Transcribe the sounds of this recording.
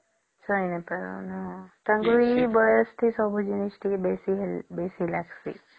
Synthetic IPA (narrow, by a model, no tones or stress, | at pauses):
sɔjnɛpaɹɔ̰nat̪ãŋɡuɹibɔjɔst̪ʰisɔbɔd͡ʒinistibesibesilaksḭ